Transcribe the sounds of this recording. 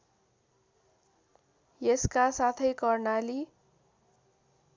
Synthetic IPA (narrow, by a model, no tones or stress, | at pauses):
jeskasat̪ʰʌjkʌrnali